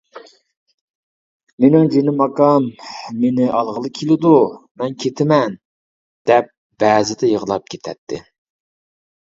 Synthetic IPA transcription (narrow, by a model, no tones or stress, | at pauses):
menɪŋd͡ʒenɪmɑqɑmːenɪʔɑlˠʁəlˠɨkʲʰelɪd̪umɛnkʲʰet̪ʰɪmɛn | d̪̥ɛp̚ | b̥æːzɪd̪ɛjəʁəlˠɑp̚kʲʰet̪ʰɛ̰t̪ʰːɪ̰